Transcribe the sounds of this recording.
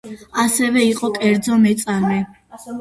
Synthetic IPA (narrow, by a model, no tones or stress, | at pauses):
asɛvɛiqʼɔkʼɛɾd̪zɔmɛt̪sʼami